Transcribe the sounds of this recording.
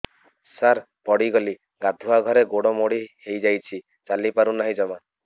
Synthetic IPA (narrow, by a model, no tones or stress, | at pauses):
saɾ | pɔɽiɡɔli | ɡad̪ʱuaɡʱɔɾeɡoɽɔmoɽihejd͡ʒajt͡ʃʰi | t͡ʃalipaɾunaɦĩd͡ʒɔma